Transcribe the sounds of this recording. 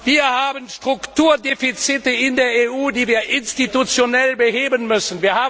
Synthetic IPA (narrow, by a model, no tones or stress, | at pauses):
viːɐhaːbənʃtʁ̥ʊktuːɐdeːfit͡sɪtəɪndeːɐeːuːdiːviːɐʔɪnstitut͡sjonɛlbəɦeːbənmʏsən̩viːɐhaːb